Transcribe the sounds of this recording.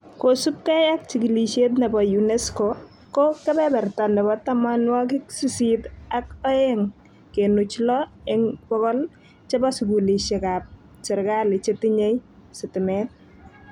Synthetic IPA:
kosu˦p̚kɛ˦ja˦k̚t͡ʃiɡi˨li˨ʃe˦t̬nɛ˨bɔjunɛ˦sko | kɔ˦kɛ˦bɛ˦bɛ˨rtandɛ˨bɔtamanwa˦kɪ˦ksisitakɔ˦eŋ | kenut͡ʃlɔɪŋbɔ˦kɔ˦l | t͡ʃe˦ba˦su˨ɡuli˨ʃe˨kap̚ | t͡ʃɪ˨ɾka˦lɪ˨t͡ʃe˦ti˦ɲe˦jsɪtɪ˨mɛt̚

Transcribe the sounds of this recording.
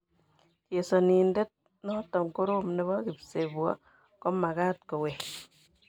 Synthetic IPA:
t͡ʃe˨sɔ˨ni˨nde˦t̚ | nɔ˦tɔ˨ŋko˦ɾo˦mnɛ˦βɔ˦kɪ˨pse˨bu˨ɔ̰˦ | kɔ˦ma˨ka˦t̚kɔ˨we˨

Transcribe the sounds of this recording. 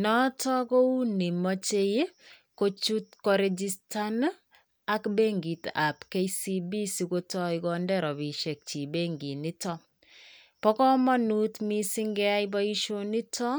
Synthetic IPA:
nɔ˦tɔ˦ko˦u˦ni˨mɔ˦t͡ʃe˦je˦ | ko˦t͡ʃu˦tkɔ˨ɾe˨d͡ʒi˦sta˦n˦ | a˦kbe˦ŋɡi˨ta˨pke˦jsi˦bi˦si˨ko˦tɔ˦ikɔ˨ndɛ˦ɾɔ˨bi˨ʃe˨k̚t͡ʃi˨be˦ŋɡi˨ni˦tɔ˦ | pɔ˦kɔ˦mɔ˦nu˦tmi˦si˦ŋɡɛ˦a˦ibɔ˦i˦ʃo˦ni˦tʰɔ˦

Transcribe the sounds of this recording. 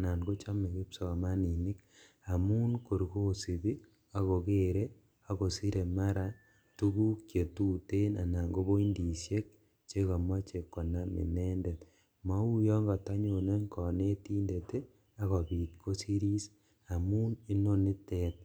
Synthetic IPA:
na˨nɡo˦t͡ʃa˦me˨ke˦psɔ˨ma˦ni˨ni˦k | a˨muː˦nko˨ɾko˦si˨bi˦ | a˨ko˨ke˦ɾe˦ | a˦ko˨si˦ɾe˨ma˦ɾa˦ | tu˦ku˦kje˨tu˦te˦na˨na˨ŋɡo˦bo˦i˦ndi˨sje˦k̚ | t͡ʃe˦ka˨ma˦t͡ʃe˨kːɔ˨na˦mḭ˨ne˦nde˨t | ma˦u˦jɔ˦ŋɡɔ˨ta˦ɲo˨ne˦ŋkɔ˨ne˦tiː˦nde˨te˦ | a˦ɣɔ˨piː˨tkʰo˦si˦ɾi˦s | a˨muː˦ni˦no˦ni˦tet̚

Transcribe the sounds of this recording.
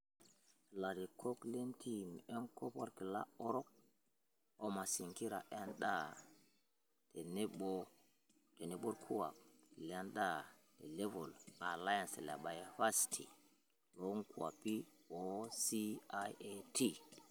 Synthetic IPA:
la˨ɾi˨kʰo˦kle˦ntʰi˦m˨e˦ŋkʰo˦pa̰˦ɾki˨la̰˦o˦ɾo˦k̚ | o˦ma˨si˨ŋki˦ɾa̰˨ʔe˦nɗa˦˨ | te˨ne˦ɓo˦ | te˨ne˨ɓo˦ɾkʰu˦wa̰˨k̚la˦nda˦˨te˨le˦vo˨la˨la˦ja˨nse˨la̰˨ba˨jfa˦stʰḭ˨ | lo˦ŋku˨a̰˨pi˦o˦si˦a˦e˦tʰi˦˨

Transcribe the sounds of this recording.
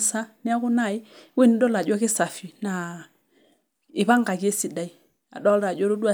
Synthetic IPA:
sa˦ni˦a˦ɣʊ˦na˦˨i˦wi˦n˦dɔ˦la˨d͡ʒwɔ˦kɪ˦sa˨fi˨na˨ | ɪ˨βa˦ŋɡa˨ki˦e˦si˨da˨i˦ | a̰˨ɗɔ˦la˨d͡ʒɔ˦ɾu˦dwa˦˨

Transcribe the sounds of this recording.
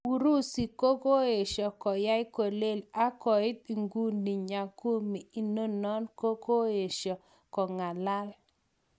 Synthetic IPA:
u˨ɾu˦si˨ko˦ko˦e˨ʃɔ˨kɔ˨ja˦ɪ˦ko˨le˦˨la˦kɔ˨ɪ˦t̪i˨ŋɡu˦ndi˨ɲa˨ku˦mi˨i˨no˦nɔ˦nko˦ko˦e˨ʃɔ˨ | kɔ˨ŋa˨la˦l

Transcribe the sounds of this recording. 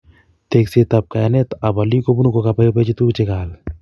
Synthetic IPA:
t̪ekset̪ɐp̚ka˨jane˦t̪a˨ba˨li˦ko˦bu˦nu˦kokapa˦jo˦pe˦t͡ʃi˦t̪u˦t͡ʃekaː˨l

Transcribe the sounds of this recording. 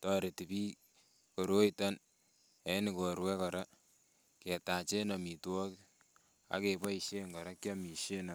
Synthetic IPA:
tɔɾe˨ti˨pi˦ | ko˨ɾo˦i˦ta˦n | e˨˦ni˨ko˨ɾwɛ˦kɔ˨ɾa˦ | ke˨ta˨t͡ʃe˦nɔ˨mi˨twɔ˦k | a̰˦ke˨pa˦iʃe˦ŋɡɔ˨ɾa˦kjɔ˦mi˨ʃe˦na˨

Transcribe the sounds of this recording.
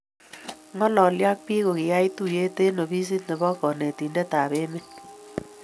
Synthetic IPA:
ŋɔ˦lɔ˨lja˦k̚pi˦ko˨kɪ˨ja˦jtu˦˨je˦te˦no˨bi˦s̬i˦tne˨bɔ˦kɔ˨ne˨ti˨nde˦ta˨be˦me˦t

